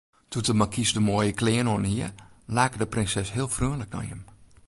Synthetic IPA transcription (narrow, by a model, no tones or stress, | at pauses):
tʰutəmakʰisdəmoəjəklɪːənoənhiəlaːkədəprɪnsɛshiəlˠfryənlək̚na̰jə̰m